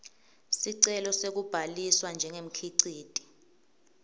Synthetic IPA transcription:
siǀɛlɔsek̬ub̥ʱaliswand͡ʒʱɛŋem̩kʰiǀiːd̥ʼʱi̥

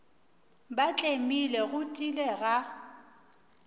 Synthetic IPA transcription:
bat͡ɬʼemilɛɣʊtʼilɛɣa

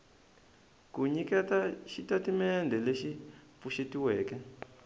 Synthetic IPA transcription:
kuɲikɛtaʃitatimɛndʱɛleʃip̪fuʃetiwɛːkɛ

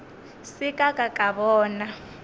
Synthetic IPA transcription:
sikʼakʼakʼaβɔːna

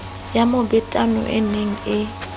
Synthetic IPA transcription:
jamobɪtʼanɔ̰ʔɪneŋ̩ɪ

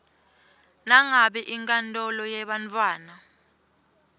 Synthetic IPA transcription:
naŋaɓɛʔiŋkʼantʼɔlɔjɛɓant͡fʰʼwaːna

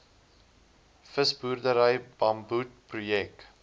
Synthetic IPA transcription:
fəsburdəɾəjbɐmbut̚prujɛk

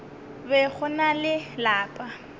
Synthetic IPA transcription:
bɛk͡xʰʊnalɪlaːpʼa

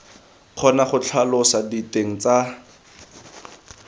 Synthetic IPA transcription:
q͡χʰɔnaχʊt͡ɬʰalʊsaditeŋ̩t͡sa

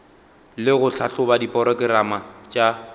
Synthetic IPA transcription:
lɪɣʊɬʰaɬʊbadipʼɔɾɔkʼɪɾamat͡ʃʼa

